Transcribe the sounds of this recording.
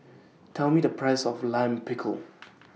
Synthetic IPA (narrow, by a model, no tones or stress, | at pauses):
tʰɛlˠmidəpʰɹaɪsɔflãmpʰɪkʰə̰l